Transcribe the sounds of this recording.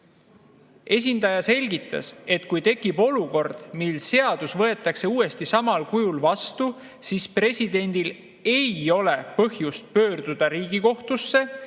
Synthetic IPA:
e̞s̬ʲind̪̥ɑjɑse̞lʲɡ̥it̪ˑːɑ̰se̞t̪kujt̪e̞kːˑib̥o̞luko̞rd̪̥milse̞ɑd̪̥usvɤe̞t̪ːˑɑkse̞uːe̞st̪isɑmɑlkujulvɑst̪u | sispre̞sʲid̪̥e̞nʲd̪̥il | e̞jo̞le̞pɤhjust̪̚pø̞ːrd̪̥ud̪̥ɑɾiːɡ̥iko̞ht̪usːe̞

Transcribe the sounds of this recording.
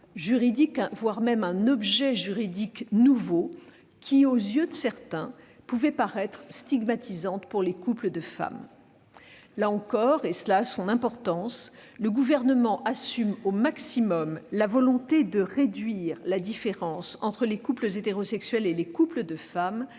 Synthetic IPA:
ʒyʁid̪ikvwaʁmɛmɛ̃nɔbʒɛʒyʁid̪iknuvo | kʲʰiozjød̪əsɛʁt̪ɛ̃ | puvɛpaʁɛt̪χst̪iɡmat̪izɑ̃t̪puʁlekupləd̪əfa̰m | laɑ̃kɔʁeslasɔ̃nɛ̃pɔʁt̪ɑ̃sləɡuvɛʁnəmɑ̃ʔasymomaksimɔmlavɔlɔ̃t̪ed̪əʁed̪ɥiʁlad̪ifeʁɑ̃sɑ̃t̪χəlekupləzet̪eʁosɛksɥɛlelekupləd̪əfam

